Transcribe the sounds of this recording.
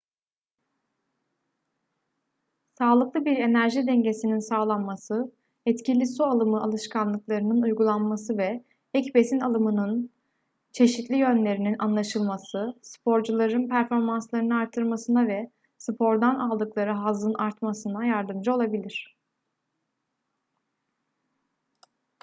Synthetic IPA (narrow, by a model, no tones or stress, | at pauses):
saːlˠɯklˠɯbiɾe̞næɾʒid̪ɛɲɟe̞sininsaːlˠanmasɯ | ɛt̪cilʲisualˠɯmɯʔalˠɯʃkʰanlˠɯklˠaɾɯnɯnujɡulˠanmasɯvɛ | ɛcbe̞sinalˠɯmɯnɯn | t͡ʃʰe̞ʃit̪lʲijø̞nlʲe̞ɾininʔanlˠaʃɯlˠmasɯsɯ̥pʰo̞ɾd͡ʒulˠaɾɯnpʰæɾfo̞ɾmanslˠaɾɯnɯaɾt̪ʰːɯɾˠmasɯnavɛ | sɯpʰo̞ɾd̪analˠd̪ɯklˠaɾɯɦazɯnʔaɾt̪masɯnajaɾd̪ɯmd͡ʒao̞lˠabilʲiɾ̝̥